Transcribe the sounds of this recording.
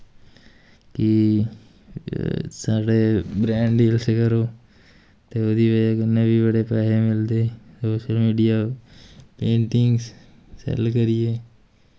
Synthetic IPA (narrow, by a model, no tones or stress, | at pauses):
ki | saːɽeːbɾɛ̃ːɳɖiːlsekəɾoː | t̪eːod̪iːʋəd͡ʒakɪnːeːbibəɽeːpɛːɦeːmɪld̪eːsoːʃəlmiːɖijaː | pẽːɳʈɪŋɡs | sɛ̰lkəɾɪeː